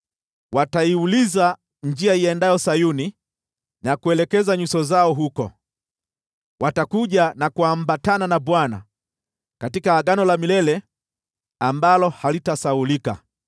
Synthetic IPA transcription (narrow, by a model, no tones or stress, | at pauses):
wataiuliza | ɲd͡ʒiaiɛndajɔsajuni | nakuɛlɛkɛzaɲusɔzaɔɦukɔ̰ | watakuʄanakuambatananabwana̰ | katikaːɡanɔlamilɛlɛ | ambalɔhalitasaulika̰